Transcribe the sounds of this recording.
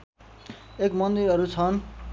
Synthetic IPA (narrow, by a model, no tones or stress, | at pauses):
ekmʌnd̪iɾʌɾut͡sʰʌn